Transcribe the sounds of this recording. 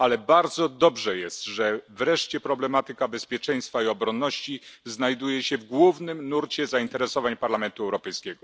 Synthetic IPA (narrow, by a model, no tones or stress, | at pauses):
alɛbaɾd̪zɔd̪ɔbʐɛjɛst̪ʐɛvɾɛʂt͡ɕɛpɾɔblɛmat̪ɘkabɛspʲjɛt͡ʂɛj̃st̪faiɔbɾɔnːɔɕt͡ɕiznajd̪ujɛɕɛvɡwuvnɘmnuɾt͡ɕɛzaint̪ɛɾɛsɔvaɲpaɾlamɛnt̪uɛwɾɔpɛjskʲɛɡɔ